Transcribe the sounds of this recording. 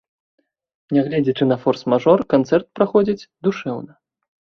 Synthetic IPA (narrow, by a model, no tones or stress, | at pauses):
nʲɛɣlʲɛd͡zʲit͡ʂɨnɐfɔrsmaʐɔrkant̪sɛrt̪̚pɾaxɔd͡zʲit͡sʲd̪uʂɛwnɐ